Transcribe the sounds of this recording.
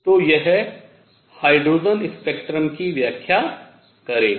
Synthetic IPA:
t̪oːjɛɦɛ | haːɪɖɾoːzənɪ̃spek̚ʈɾəmkiʋjaːkʰja | kɐɾeː

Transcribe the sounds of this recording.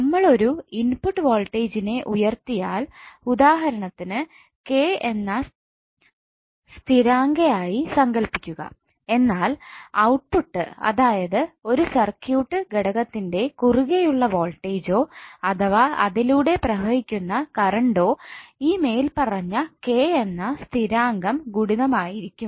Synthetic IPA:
nɐmːɐɭo̞ɾuinpuʈːɨʋo̞ːlʈːeːd͡ʑine̞ʔujɐrt̪ijaːlud̪aːɦɐɾɐɳɐt̪ːinɨ | ke̞enːɐ | st̪ʰiɾaːŋɡɐjaːjisɐŋɡɐlpikʲːuɣɐ̰ | e̞nːaːlɐwʈ̚puʈːɨ̰ɐ̰ðaːjɐðɨo̞ɾusɐrkjuːʈːɨɡeɽɐɣɐt̪ːinde̞kuruɣejuɭːɐʋo̞ːlʈːeːd͡ʑo̞ːɐt̪ʰɐʋaɐðiluːɽe̞prɐɦɐhikʲːunːɐkɐɾɐɳɖo̞ːiːme̞ːjilpɐrɐɲːɐkeːenːɐst̪ʰiɾaːŋɡɐmɡuɽiðɐmaːjiɾikʲːum

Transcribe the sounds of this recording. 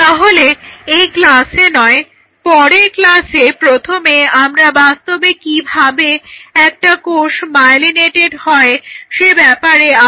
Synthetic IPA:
t̪aɦoleejklasenɔe | pɔɾeklasepɾot̪ʰomeamɾabast̪obekibʱabeɛk̚ʈakoʃmajlineʈeɖhɔeʃebɛpaɾea

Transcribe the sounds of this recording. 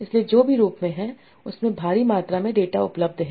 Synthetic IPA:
ɪslied͡ʒoːbʱiɾuːpmẽɦɛ | ʊsmẽbʱaːɾimaːt̪ɾamẽɖeːʈaʊpləb̚d̪ʱɦɛ̃ː

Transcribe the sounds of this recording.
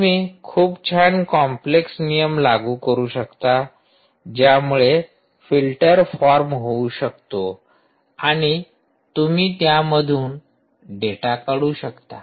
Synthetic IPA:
miːkʰuːpt͡ɕʰankɔmpleksnijəmlaɡuːkəɾuːɕəkt̪a | d͡ʑjamuɭe | filʈəɾfɔɾmɦouɕək̚t̪o | aɽ̃i | t̪umiːt̪jaməd̪ʱuːn | ɖeʈakəɽuːɕəkt̪a

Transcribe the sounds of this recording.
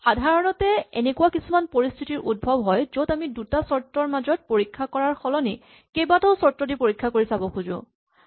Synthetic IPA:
xadʱaɹɔnɔtɛɛ̰nekuwakisumanpoɹistʰitiɹʔud̚bʱɔbɦɔjzotamidutasɔɹtɹɔɹmazɔt̚poɹikʰːakɔɹaɹxɔlɔni | kejbatɔʊsɔɹtɹɔdipoɹikʰːakoɹisabɔxʰuzʊ̰

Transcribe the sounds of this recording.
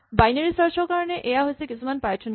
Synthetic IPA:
bajnaɹisaɹsɔɹkaɹɔnɛʔejaɦojsɛkisumanpajtʰɔn

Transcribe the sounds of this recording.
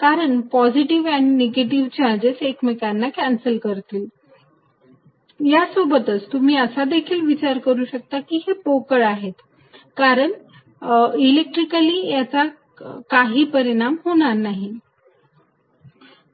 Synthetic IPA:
kaɾəɳpɔd͡ziʈiʋæñineɡeʈiʋt͡ɕald͡ʑesekmikanːakænsəlkəɾt̪iːl | jasobət̪ət͡st̪um̤iːəsad̪ekʰiːlʋit͡ɕaɾkəɾuːɕək̚t̪akiɦepokəɾaɦet̪ | kaɾəɳ | ilek̚ʈɾikəliːjat͡sa | kaɦiːpəɾiɽ̃amɦoɽ̃aɾnaɦi

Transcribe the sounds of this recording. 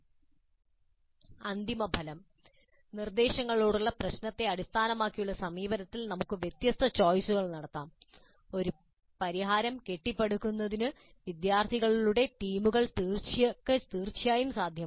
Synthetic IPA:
ɐnd̪imɐbʱɐlɐm | nird̪e̞ːɕɐŋːɐɭoːɽuɭːɐprɐɕnɐt̪ːe̞ɐɽist̪ʰaːnɐmaːkːijuɭːɐsɐmiːbɐɾɐt̪ːilnɐmukːɨʋjet̪jɐst̪ʰɐt͡ɕo̞ːjsuɣɐɭnɐɽɐt̪ːaːm | o̞ɾu | pɐɾiɦaːɾɐmke̞ʈːipːeɽukːunːɐðinɨ | ʋid̪jaːrt̪ʰiɣɐɭiluɽe̞ʈiːmuɣɐɭt̪iːrt͡ɕijɐkːet̪iːrt͡ɕijaːjumsaːd̪ʱjɐm

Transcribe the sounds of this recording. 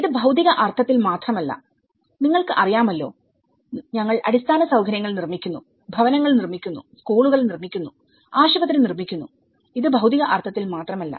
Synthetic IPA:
iðɨbʱɐwt̪iɣɐʔɐrt̪ʰɐt̪ːilmaːt̪rɐmɐlːɐ̰ | niŋːɐɭkɨʔɐrijaːmɐlːo̞̰ː | ɲɐŋːɐɭɐɽist̪ʰaːnɐsɐwɡʰʱɐɾjɐŋːɐɭnirmikʲːunːu | bʱɐʋɐnɐŋːɐɭnirmikʲːunːṵskuːɳuɣɐɭnirmikʲːunːu | aːɕɐbɐt̪ːɾnirmikʲːunːu | iðɨbʱɐwd̪iɣɐʔɐrt̪ʰɐt̪ːilmaːt̪rɐmɐlːɐ̰

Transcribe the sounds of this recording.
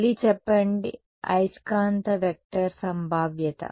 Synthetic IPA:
lit͡ʃepːeɳɖḭ | ɐ̰jskaːnt̪ɐʋek̚ʈɐɾsɐmbʱaːʋjɐt̪ɐ̰

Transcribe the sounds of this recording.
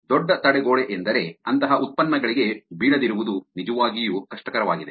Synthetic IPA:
d̪ɔɖːɐt̪ɐɽeɡoːɭeʔend̪ɐɾe̞ɐnt̪ɐɦɐʔut̪̚pɐnːɐɡɐɭiɡe̞biːɽɐd̪iɾuʋud̪unid͡ʒɐʋaːɡijukɐʂʈɐkɐɾɐʋaːɡid̪e̞

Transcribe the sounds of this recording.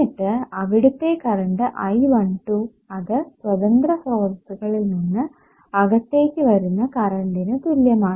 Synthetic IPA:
iʈːɨɐʋiɽut̪ːeːkɐɾɐɳɖɨʔɐjʋɐɳʈu | ɐðɨswɐðɐŋɡrɐsoːrt̪ːuɣɐɭilninːɨ | ɐɣɐt̪ːe̞ːkʲːɨʋɐɾunːɐkɐɾɐɳɖinɨt̪uljɐmaː

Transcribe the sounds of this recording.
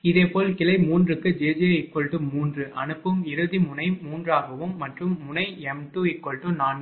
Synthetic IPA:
ɪðeːpoːlkɪlɐɪmuːndrɯkːɯd͡ʒeːd͡ʒjeɪkːɔɭʈɯmːuːndrɯʔɐ̰nɯpːɯmɪɾɯðimʊnɐɪmuːndraːɣɐʋɯmːɐʈrɯmːʊnɐɪɛmt̪uɪkːɔɭʈɯnaːnɡɯ

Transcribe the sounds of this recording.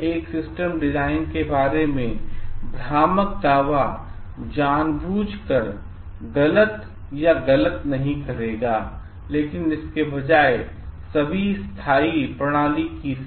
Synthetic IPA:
eːksɪsʈəmɖɪzaːɪnkebaːɾemẽbʱɾaːmək̚d̪aːʋa | d͡ʒaːnbuːd͡ʒʱkɐɾ | ɡɐlət̪ | jaɡɐlət̪nɐɦĩkɐɾeːɡaː | leːkɪnɪskebɐd͡ʒaːe | sɐbʱist̪ʰaːipɾɐɽ̃aːliki

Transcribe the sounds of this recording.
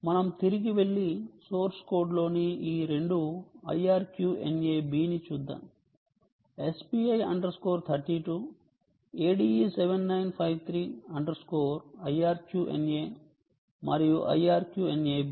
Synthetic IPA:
mɐnɐmt̪iɾiɡiʋe̞ɭːisoːɾskoːɖlo̞ːniiːɾe̞ɳɖuɐ̰jaːɾkjuːḛneːbiːnit͡ʃuːd̪ːa̰ːm | espiːɐjɐɳɖɐɾsko̞ːɾt̪ʰɐɾʈiːʈuː | eːɖiːseʋenːɐjnpʰɐjʋt̪ʰɾiːɐɳɖɐɾskoːɾɐjaːɾkjuːʔḛneː | mɐɾijuʔɐ̰jaːɾkjuːene

